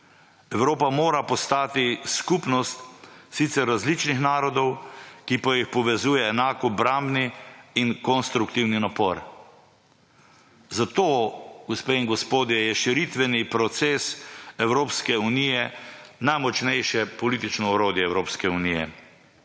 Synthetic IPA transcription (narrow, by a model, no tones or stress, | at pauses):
ɛwɾoːpamoːɾapɔst̪aːt̪iskupnɔst̪sit̪sɛɾːazlit͡ʃnixnaːɾɔd̪ɔwkipajixpɔʋɛzuːjɛːnaːkɔbɾambniːnkɔnst̪ɾukt̪iwninapɔɾ | zat̪oɡ̥ɔspeːinɡɔspoːd̪jɛjɛʃiɾit̪ʋɛnipɾɔt̪seːsɛwɾoːpskɛunijɛnajmɔt͡ʃnɛjʃɛpɔlit̪it͡ʃnɔɔɾoːd̪jɛɛwɾoːpskɛunijɛ̰